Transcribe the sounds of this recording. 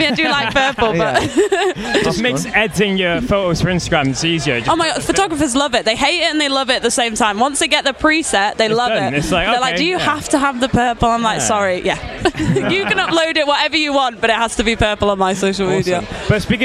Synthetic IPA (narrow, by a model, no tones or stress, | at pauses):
miaɪdəlaɪk̚pʰɜˑpəlˠbʌʔ | ʒ̥ʌsmeɪksɛdzɪ̃ŋjəfoʊtoʊz̥fə˞ɪ̃nstəɡɹãmɪsiːziə̥˞oʊmaɪ̥fəʊtʰɒɡɹəfəzlʌvɪʔ̚ðeɪɦeɪtɪtə̃nðeɪlʌvɪtəʔ̪ðəsẽɪ̃mtʰãɪ̃mwʌ̃nsðeɪɡɛʔ̚ðəpʰɹ̥isɛʔ̚ðeɪlʌvɪɪtslaɪkðəlaɪd̥əjəhaftəːvðəpʰɜˑpəlˠãɪ̃mlaɪksɑɹijʔæ | jəkə̃nʌploʊdɪʔwʌtɛvəjəwɒ̃nb̥ʌɾɪtʔ̚haz̥təbipʰɜˑpəlˠə̃nmaɪsoʊʃl̩ˠmiːdiəʊb̥ʌɪsb̥ik